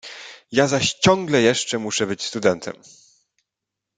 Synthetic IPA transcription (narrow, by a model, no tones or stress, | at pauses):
jazaɕt͡ɕɔ̃ŋɡlɛjɛʂt͡ʂɛmuʂɛbɘt͡ɕst̪ud̪ɛnt̪ʰɛ̰m